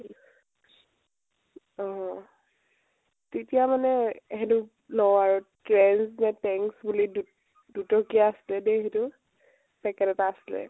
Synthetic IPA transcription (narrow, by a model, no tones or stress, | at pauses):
ɔ | tetijamanɛɦɛtʊ | lɔaɹutɹɛnsnɛtɛŋksbulidu | dutɔkijaːsilɛdeɦɛtʊ | pɛkɛtɔtaːsilɛ̰